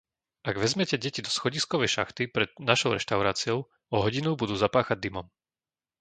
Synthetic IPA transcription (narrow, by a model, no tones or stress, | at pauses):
aɡʋɛzmɛcɛɟɛcid̪ɔsxɔɟiskɔʋɛjʃa̰xt̪ipɾɛd̪naʃɔʊɾɛ̰ʃt̪aʊɾaːt͡siɔʊ | ɔɦɔɟinubud̪uːzapaːxaɟ̚d̪imɔm